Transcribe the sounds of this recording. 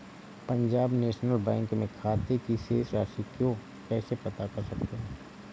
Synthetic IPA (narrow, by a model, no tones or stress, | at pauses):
pɐ̃ɲd͡ʒaːbneːʃnəlbɛ̃ːŋkmẽkʰaːt̪ekiseːsɾaːʃikjõ | kɛːsepɐt̪akɐɾsɐkt̪eɦɛ̃